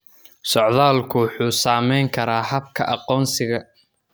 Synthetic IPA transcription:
sɔʕðaːlkʰʊwħuːsaːmɛjŋkʰɐɾaːɦɐb̚kʰɐ̰ʔɑqɔːnsɪɣɐ

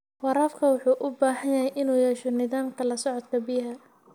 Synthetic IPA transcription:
wɑɾaːfkʰɐwʊħuːʔʊbaːhɐjjɐɦɛjʔɪnuːjɛːʃɔnɪðaːmkʰɐlɐsɔʕɔd̪kʰɐbɪɦɐ

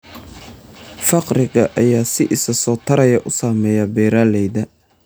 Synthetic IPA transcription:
fɑqrɪɣɐʔɐjaːsɪʔɪsɐsɔːt̪ʰɐɾɐjɐʔʊsaːmɛːjɐbɛːɾaːlɛjðɐ

